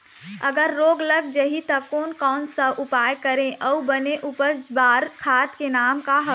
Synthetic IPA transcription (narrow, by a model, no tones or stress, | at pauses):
əɡəɾːoːɡləɡ̚d͡ʒəɦit̪ɐkoːnkɔːnsəʔʊpaːjkəɾẽʔɔbəneʔʊpəd͡ʒbaːɾkʰaːt̪kenaːmkaɦə